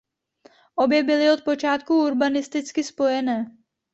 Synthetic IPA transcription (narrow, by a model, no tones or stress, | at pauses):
ʔo̞bjɛbɪlɪo̞t̪̚po̞t͡ʃaːt̪̚kuuɾbanɪst̪ɪt͡skɪspo̞jɛnɛː